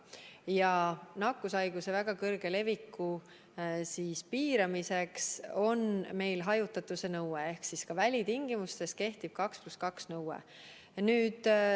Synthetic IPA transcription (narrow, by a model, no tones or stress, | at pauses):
jɑnɑkːusɑjɡ̥use̞væɡ̥ɑkɤrɡ̥e̞le̞vikːu | siːspiːɾɑmisekso̞nme̞jlɦɑjut̪ːˑɑt̪ːˑuse̞nɤwee̞hksiskɑvælʲit̪iŋɡ̥imust̪e̞ske̞ht̪ib̥̚kɑkspluskɑksnɤwḛ | nyːd̪̥